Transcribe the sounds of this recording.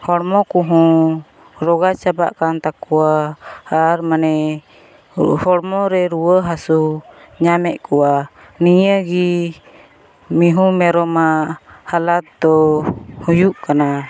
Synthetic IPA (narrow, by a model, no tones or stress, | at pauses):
hɔɽmɔkuɦũ | ɾɔɡat͡ʃaba̰ʔkant̪akɔwaː | ɾmanɛ | hɔɽmɔɾɛɾuwəɦasuɲamɛʔkɔwa | niɲəɡi | miɦũmɛɾɔmaʔhalat̪̚d̪ɔhũjuʔkana